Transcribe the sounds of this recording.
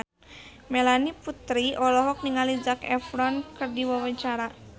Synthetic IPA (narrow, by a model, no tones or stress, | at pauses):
mɛlaniput̪ɾiʔɔlɔɦɔk̚niŋalid͡ʒakɛ̰fɾɔnkɨrdiwawəɲt͡ʃaɾa